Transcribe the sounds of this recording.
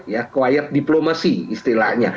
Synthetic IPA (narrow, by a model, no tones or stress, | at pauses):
jakəwajat̪̚diplomasiːst̪ila̰ɲa